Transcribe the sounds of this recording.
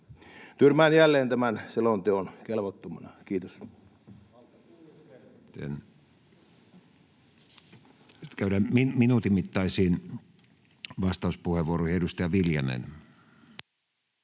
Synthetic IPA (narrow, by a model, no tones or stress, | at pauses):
t̪yrmæːnjælːeːnt̪æmænselont̪eonkelʋot̪ːomɑnɑkiːt̪os | t̪ḛn | st̪kæyɾæːminminuːt̪imit̪ːɑisiːn | ʋɑst̪ɑˑuspuheʋuorohedust̪ɑjɑʋiljɑnḛn